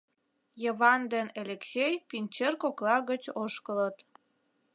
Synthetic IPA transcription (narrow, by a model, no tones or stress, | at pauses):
jəβɑnd̪eneleksʲejpinʲt͡ɕerkoklɑɣət͡ɕoʃkələt̪